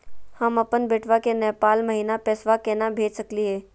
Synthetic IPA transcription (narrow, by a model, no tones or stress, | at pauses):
həmɐpənbeːʈʰʋakenɛːpaːlməɦiːnapɛːsʋakɛːnabʱeːd͡ʒsəkliɦɛː